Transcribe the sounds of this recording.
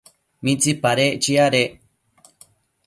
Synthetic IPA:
mĩt͡sipaɾet͡ʃiaɾeʔ

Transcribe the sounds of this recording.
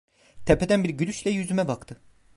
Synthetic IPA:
t̪ʰepʰed̪ænbiɾɟyɾyʃlʲɛjyzymɛbakt̪ʰɯ

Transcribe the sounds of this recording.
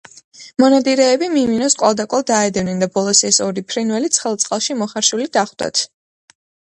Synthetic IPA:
mɔnad̪iɾɛːbimiminɔskʼwalˠd̪akʼɔlˠd̪aɛd̪ɛvnɛnd̪abɔlˠɔsɛsɔɾipʰɾinwɛlit̪sʰχɛlˠt̪sʼqʼalˠʃimɔχaɾʃulid̪aχwd̪̥a̰t̪ʰ

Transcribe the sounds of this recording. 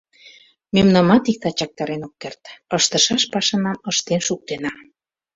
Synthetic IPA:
memnɑmɑt̪ik̚t̪ɑt͡ɕɑk̚t̪ɑɾenokːert̪əʃt̪əʃɑʃpɑʃɤnɑməʃt̪enʃuk̚t̪enɑ

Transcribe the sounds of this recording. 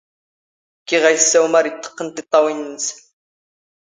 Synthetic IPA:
keʁɑjsawmaɾit̪ːqənt̪ɪt̪ɑwins

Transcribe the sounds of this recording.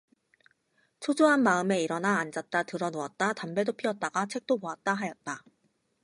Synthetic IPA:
t͡ɕʰod͡ʑoɦanmaɯme̞iɾʌnaːnd͡ʑat̚t͈atɯɾʌnoʌt̚t͈atambe̞dopʰiʌt̚t͈aɡat͡ɕʰe̞k̚t͈omoat̚t͈aɦajʌt̚t͈a

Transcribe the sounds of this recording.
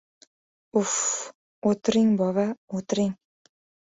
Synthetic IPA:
uf | ot̪ɾɪŋbɒβaot̪ɾɪŋ

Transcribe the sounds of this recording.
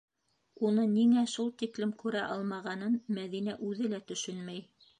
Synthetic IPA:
unɤniŋæʃulˠt̪iklɘmkʉɾæʔɑlˠmɑʁɑnɤnmæðin̪æʔʉðɘlæt̪ɵ̆ʃɵnmæj

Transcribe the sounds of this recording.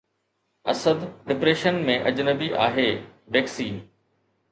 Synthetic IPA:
ɐ̰səd̪ɖɪpɾeːʃənmẽʔɐd͡ʑnəbiʔa̰ːɦeː | beːksiːn

